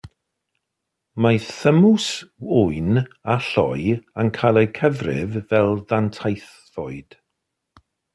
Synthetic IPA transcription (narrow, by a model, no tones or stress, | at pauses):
maθəmʊsʊɨnaɬɔ̰jənkʰalˠɛkʰəvrɪ̰vvɛlˠðantʰajθ | ɔɨd̥